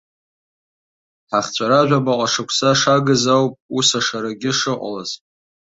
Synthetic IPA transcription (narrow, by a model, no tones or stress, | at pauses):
ħaχt͡ɕʷʰʼaɾaʒʷᶣamaqʷʼaʂɨkʷʰsaʂaɡɨzawpʼusaʂaɾaɡʲɪʂɨqʷʼa̰lazʼ